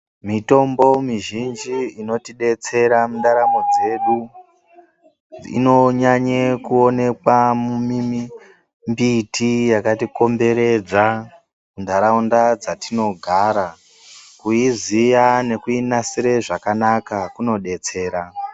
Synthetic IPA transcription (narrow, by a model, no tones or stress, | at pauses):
mito̞mbo̞miʒind͡ʒiino̞tiɗe̞t͡se̞ɾamunɗaɾamo̞d͡ze̞ɗu | ḭno̞ɲaɲekuo̞ne̞kwamumimi | mbitijakatiko̞mbe̞ɾe̞d͡za | mundaɾaundad͡zatino̞ɡʱaːɾa | kuizijane̞kuinasiɾe̞ʐakanakakuno̞ɗe̞t͡se̞ːɾa